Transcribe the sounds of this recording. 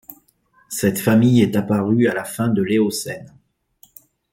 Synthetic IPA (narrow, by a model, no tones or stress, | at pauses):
sɛt̪famijɛt̪apaʁyalafɛ̃d̪əleosɛn